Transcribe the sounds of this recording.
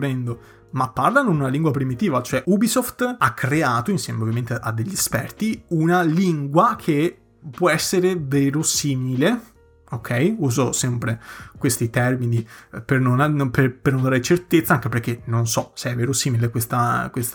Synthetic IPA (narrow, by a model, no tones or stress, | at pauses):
ɾɛnd̪o | mapːarlanod̪unaliŋɡwapɾimit̪iːvat͡ʃoɛʔubisoft̪akʰːɾeaːt̪oinsjɛːmeovjament̪eʔa̰d̪ːeʎːiespɛ̰rt̪iunaliŋɡwakʰe | pːwɔɛsːeɾeveːɾosiːmile | okʰːɛjuːzosɛmpɾekwest̪it̪ɛrminipernonanpepernond̪aːɾet͡ʃert̪et̪sːaaŋkeperk̟ːenonsɔseɛveːɾosiːmilekwest̪akwest̪